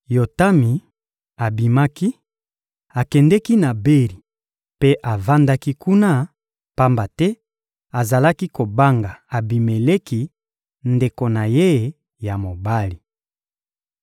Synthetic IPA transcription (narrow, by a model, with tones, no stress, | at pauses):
jo˨ta˦mi˨ | a˨bi˨ma˦ki˦ | a˨kɛ˨ndɛ˦ki˦na˨be˦li˨ | pe˦ʔa˨va˦nda˦ki˦ku˦na˦ | pa˦mba˨tɛ˦ | a˨za˨la˦ki˦ko˨ba˦ŋɡa˨a˨bi˨me˨le˦ki˦ | nde˨ko˨na˨je˦˨ | ja˨mo˨ba˦li˨